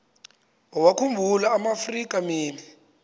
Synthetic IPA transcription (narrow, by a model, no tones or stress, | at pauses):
wɔwakʰumbʱulaːmafrik̬ʼamiːni